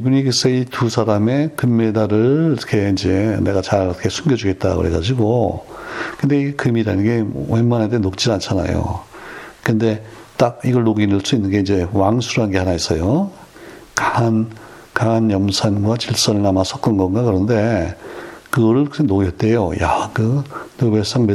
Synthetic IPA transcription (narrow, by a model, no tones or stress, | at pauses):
ibunikɯs͈ʌitusʰaɾame̞kɯmːe̞daɾɯɭʰʌ̥kʰe̞ind͡ʑe̞ne̞ɡat͡ɕaɾʌkʰesʰumɡjʌd͡ʑuɡe̞t̚t͈akɯ̰ɾeɡad͡ʑiɡo | kɯnde̞ikɯmiɾanɯnɡe̞mwemːanadenok̚t͡ɕ͈iɾant͡ɕʰana̰jo̰ | kɯnde̞t͈ak̚iɡʌɭːoɡinɯɭs͈uinːɯnɡe̞ind͡ʑe̞waŋsʰuɾɦanɡe̞hanais͈ʌjo | kan | kanjʌmsʰanɡwat͡ɕiɭs͈ʌnɯɭnamasʰʌk͈ɯɡʌnɡakɯɾʌnde̞ | kɯɡʌɾɯɭkɯsʰenoɡʌt̚t͈e̞joja̰kɯnɯbes͈aŋme